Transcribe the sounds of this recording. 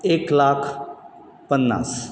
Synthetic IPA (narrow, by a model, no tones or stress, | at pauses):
eːklaːkʰ | pənːa̰ːs